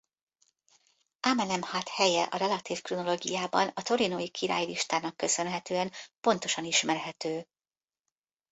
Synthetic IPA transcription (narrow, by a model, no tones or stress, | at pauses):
amɛnɛmhaːt̪hɛjɛʔɒɾɛlɒt̪iːfkruno̞loːɡijaːbɒ̰nɒt̪o̞ɾinojikʰiɾa̰ːjliʃt̪aːnɒkːø̞sø̞nɦɛt̪øːɛnpo̞n̪t̪o̞ʃɒniʃmɛrɦɛt̪øː